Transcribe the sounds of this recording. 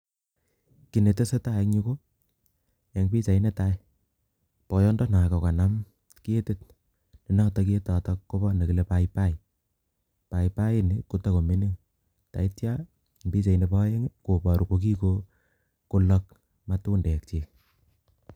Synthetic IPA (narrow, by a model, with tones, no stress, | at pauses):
ki˨ne˨te˦se˦ta˦˨kɲu˦ko˦ | e˨˦ŋpi˦t͡ʃa˨i˦ne˦ta˦j | pɔ˨jɔ˦ndɔ˦na˨kɔ˨ka˨na˦m | ki˦e˦te˦t̚ | ni˨nɔ˦tɔk̬ːtɔ˨tɔkːo˦bɔ˦ne˨ki˨le˨paipa˦j | pa˨jpa˦ji˦ni˦ku˦ta˦ko˨mi˦ne˦ŋ | ta̰˨i˦tja˦ | mbi˦t͡ʃa˨i˦ne˧pɔ˦jɛ˦ŋko˨pɔ˨ɾu˨ko˨k̬i˦ko˦ | ko˦lɔ˦k | ma˦tu˦ndɛ˨kt͡ʃe˨